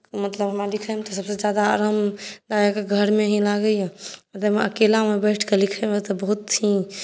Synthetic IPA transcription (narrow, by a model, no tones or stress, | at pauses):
mət̪ləbɦəmalikʰəmet̪ɔsəbsed͡ʒjad̪aːɾamd̪ajekeɡʱəɾmeɦĩlaɡəjãmət̪ləmeəkelamebəɪʈʰkelikʰemet̪ɔbəɦut̪ːʰĩ